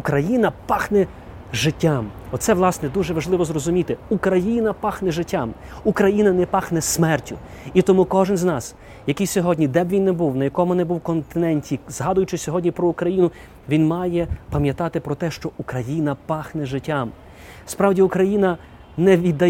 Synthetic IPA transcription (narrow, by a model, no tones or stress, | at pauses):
kɾɐjinɐpɑxnɛ | ʒɪtʲːamɔt̪sɛʋlˠɑsnɛd̪uʒɛʋɐʒlˠɪʋɔzrɔzʊmʲit̪ɪukɾɐjinɐpɑxnɛʒɪtʲːamukɾɐjinɐnɛpɑxnɛsmɛrtʲʊ | it̪ɔmukɔʒɪnznɑs | jɐkijsʲɔɦɔdʲnʲid̪ɛbʲʋʲinːɛbuwnɐjɐkɔmʊnɛbuwkɔnt̪ɪnɛnʲtʲizɦɑd̪ʊjʊt͡ʃɪsʲɔɦɔdʲnʲipɾɔukɾɐjinʊ | ʋʲinmɑjɛpɐmʲjɐt̪ɑt̪ɪpɾɔt̪ɛʃt͡ʃɔʔukɾɐjinɐpɑxnɛʒɪtʲːam | spɾɑwdʲiʊkɾɐjinɐ | nɛʋʲid̪ɐ